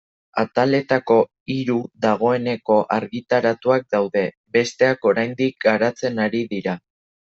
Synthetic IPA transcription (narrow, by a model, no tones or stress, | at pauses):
at̪ale̞t̪ako̞ | iɾuðaɣ̞o̞e̞ne̞ko̞ʔaɾɣit̪aɾat̪uak̚d̪awðe̞ | be̞st̪e̞ako̞ɾajnd̪ik̚ɡaɾat͡se̞naɾiðiɾa